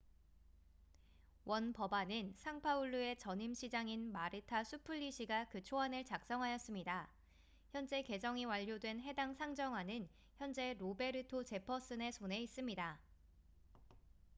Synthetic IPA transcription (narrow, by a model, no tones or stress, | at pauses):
wʔʌnpʌbanɯnsʰaŋpʰauɭːue̞t͡ɕʌɲimɕʰid͡ʑaŋinmaɾɯtʰasʰupʰɯʎːiɕʰiɡakɯt͡ɕʰoanɯɭt͡ɕak̚s͈ʌŋɦajʌs͈ɯmɲida | çjʌnd͡ʑe̞ke̞d͡ʑʌŋiwaʎːodwe̞nɦe̞daŋsʰaŋd͡ʑʌŋɦwanɯn | çjʌnd͡ʑe̞ɾobe̞ɾɯtʰot͡ɕe̞pʰʌs͈ɯne̞sʰone̞is͈ɯmɲida